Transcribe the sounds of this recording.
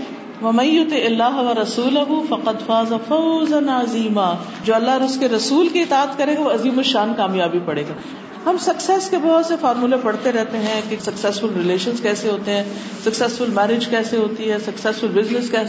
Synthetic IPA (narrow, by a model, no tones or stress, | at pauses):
ʋɐmɐ̃njʊt̪iʔɪlːaːɦʋɐɾɐsuːlɐɦʊfɐqɐd̪faːzɐfɐʊzɐnɐziːma | d͡ʒoːɐlːaɦɾʊskeɾɐsuːlkiɪt̪aːət̪kɐɾẽːɡaʋoɐziːmoʃaːnkaːmjaːbipɐɽeːɡaː | ɦɐmsɐksɛːskebɔɦɔt̪sefaːɾmulepɐɽt̪eɾɛɦt̪eɦɛ̃kesɐksɛːsfʊlɾɪleːʃənzkɛːseɦoːt̪eɦɛ̃ː | sɐksɛsfʊlmɛːɾɪd͡ʒkɛːseɦoːt̪iɦɛːsɐksɛsfʊlbɪznɪskɛː